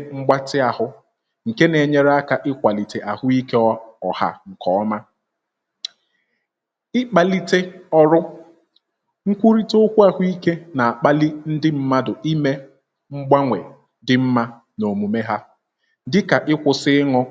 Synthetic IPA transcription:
ŋ͡m̩˦ɡ͡ba˦tɪ˦a˨hʊ˦ | ŋ̩˨ke˦ne˨ɲe˦ɾa˦ka˨ʔɪ˦kʷa˨li˨te˨ʔa˨hʊ˦i˦ke˦ɔ˦ɔ˨ha̰˦˨ŋ̩˨kɔ˨ɔ˦ma˦ | ɪ˦k͡pa˨li˦te˦ɔ˦ɾʊ˦ | ŋ̩˦kʷu˦ɾi˦tʊ˦kʷu˦a˨ɦʷʊ˦i˦ke˦na˨a˨k͡pa˦li˦n̩˦dɪ˦m̩˦ma˦dʊ˨i˦me˦ | ŋ͡m̩˦ɡ͡ba˦ŋʷe˨ | dɪ˦m̩˦ma˦ | no˨mu˨me˦ɦa˦ | dɪ˦ka˨ʔɪ˦kʷʊ˨sɪ˦ɪ˦ŋɔ˦

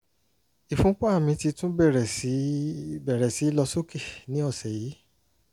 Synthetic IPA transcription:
i˨fũ˦k͡pa˦a˦˨mĩ˧˦ti˧tũ˦bɛ˦˨ɾɛ˨˦bɛ˨ɾɛ˨si˨˦i˦lɔ˧so˦ke˦˨nĩ˨˦ɔ˦˨sɛ˨ji˨˦

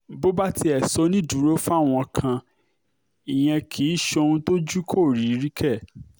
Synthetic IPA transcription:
bo˦ba˦ti˧ɛ˨sɔ˨˦nĩ˦˨du˨˦ɾo˦fa˦˨w̃ɔ̃˧kʰã˧ | i˨j̃ɛ̃˧kʰi˨˦ʃo˧nũ˧˦to˦d͡ʒu˦kʰo˦˨ɾi˨˦ɾi˦kʰɛ˦˨

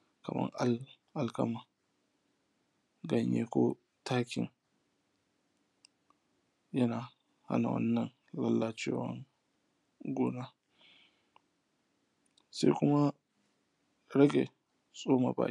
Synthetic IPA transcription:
kɐ̰˨mɐ̰˦ŋʔa˦ | ʔa˨lkɐ˦ma˨ | ɡɐ˨ɲjḛ˦ko˦ | taː˦kʲɪ˨n | jɐ˦naː˨ | ha̰˦na˨wɐ̰˦nːɐ˨n | lɐ˦lːa˨t͡ʃeː˦wɐ̰˦ŋ | ɡʷoː˦na˦ | sa˦jkʷʊ˦ma˦ | ɾɐ˦ɡʲe˨ | sʼoː˦ma̰˨ba̰ː˦

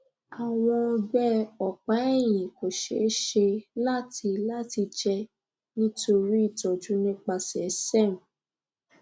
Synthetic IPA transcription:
a˨w̃ɔ̃˧ɡ͡bɛ˦ɔ˨k͡pa˨˦ɛ˦˨j̃ĩ˨ko˨ʃḛ˨˦ʃe˧la˦ti˧la˦ti˧d͡ʒɛ˧ | nĩ˦to˧ɾi˦i˦˨tɔ˨d͡ʒu˨˦nĩ˦k͡pa˧sɛ˨˦sɛ˦˨mũ˨

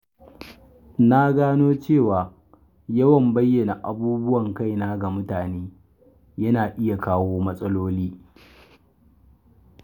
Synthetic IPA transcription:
na˦ɡaː˦noː˦t͡ʃeː˦˨waː˨ | jɐ˦wɐ˨mbɐ˦jːɐ˨na˨ʔa˨buː˦bʊ˦wɐ˨ŋka˦jnaː˦ɡa˨mʊ˦taː˨neː˦ | jɐ˦naː˨ʔɪ˦ja˨kaː˦woː˦mɐ˦sʼɐ˦loː˦liː˦

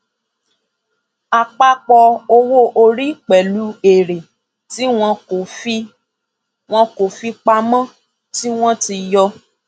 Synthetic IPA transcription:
a˧k͡pa˦k͡pɔ˧o˧wo˦ʔo˧ɾi˦k͡pɛ˨lu˨˦e˨ɾe˨ | ti˨˦w̃ɔ̃˧o˨fi˧ | w̃ɔ̃˧ko˨fi˧k͡pa˧mã˦ | ti˦w̃ɔ̃˦ti˧jɔ˧

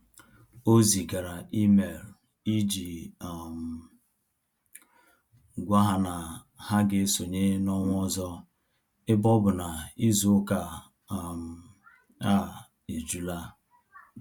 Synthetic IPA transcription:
o˦zi˨ɡa˨ɾa˨i˦me˨ɾ | i˦d͡ʒi˨m̩˨ | ɡʷa˦ɦa˨na˨ | ha˦ɡɪ˦so˨ɲe˦nɔ˦ŋʷ˦ɔ˦zɔ˦ | ɪ˦bɔ˦bʊ˨na˨i˦zu˦ka˨ | m̩˨ | a˦˨ | e˨d͡ʒu˦la˦˨

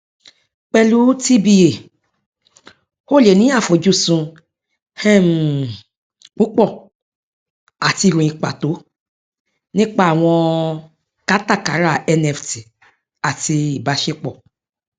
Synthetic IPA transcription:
k͡pɛ˧lu˨˦ti˦bi˧e˨ | o˦˨le˨nĩ˦a˦˨fo˨˦d͡ʒu˦˨sũ˧ | hɛ̃˦˨m˨ | k͡pu˦k͡pɔ˦˨ | a˨ti˧ɾũ˨ĩ˧k͡pa̰˨to˨˦ | nĩ˦k͡pa˦a˨w̃ɔ̃˧ | ka˨˦ta˦˨ka̰˨˦ɾa˦˨ɛ˧nɛ˧fti˨ | a˨ti˧i˨ba˨˦ʃe˦k͡pɔ˦˨

